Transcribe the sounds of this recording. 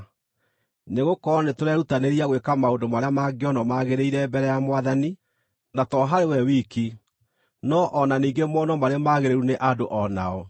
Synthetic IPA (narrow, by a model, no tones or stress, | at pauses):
neɣokɔɾɔnetoɾɛɾutaneɾiaɣwekamaondomaɾeamaɡeɔnɔmaɣeɾeiɾɛbɛɾɛjamwaðani | natɔɦaɾewɛwiki | nɔʔɔnaniːɡemɔnɔmaɾeamaɣeɾeɾuneʔadoʔɔnaɔ